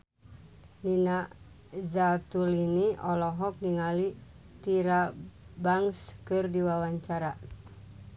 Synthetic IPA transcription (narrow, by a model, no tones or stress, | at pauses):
nina | zat̪uliniʔɔlɔɦɔk̚niŋali | t̪iɾabaŋskɨrdiwawaɲt͡ʃaɾa